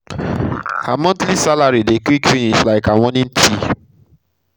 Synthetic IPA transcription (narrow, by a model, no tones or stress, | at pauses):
hamɔ̃ntlisalaɾidekwikfĩnislaɪkaw̃ɔ̃nĩntʰi